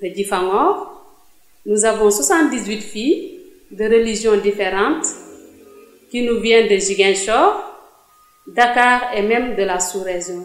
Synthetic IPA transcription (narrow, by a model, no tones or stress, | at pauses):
dəɟifaŋɔːʁ | nuzavɔ̃swasɑ̃nt̚dizwitfiː | dəɾəliʒjɔ̃difeɾɑ̃nt | kinuvjɛ̃ndəʒiɡɛ̃nʃɔːʁ | dakaːʁɛmɛmdəlasuɾɛzɔ̃